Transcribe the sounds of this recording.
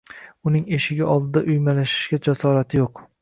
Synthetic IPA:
ʊnɪŋe̞ʃɪɡʲaʔɒlˠd̪ɪd̪aʔʊjmalaʃɪ̥ʃɡʲad͡ʒasɒɾat̪ʰɪjoq

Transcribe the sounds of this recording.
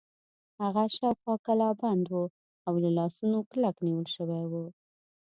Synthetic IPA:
haɣaʃawxwɑkalɑband̪wu | awlalɑsunoklakniwəlʃəwawu

